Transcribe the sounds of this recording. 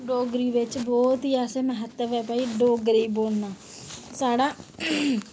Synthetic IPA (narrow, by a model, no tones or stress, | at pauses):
ɖoːɡɾiːʋɪt͡ʃbɔːt̪ɦiːaːseːməɦət̪ːəʋɛːpaːiːɖoːɡɾiːboːlnaː | saːɖaː